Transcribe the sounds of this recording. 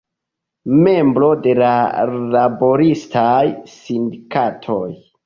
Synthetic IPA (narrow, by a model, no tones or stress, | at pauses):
me̞mbɾo̞de̞lalabo̞ɾistajsindikatʰo̞j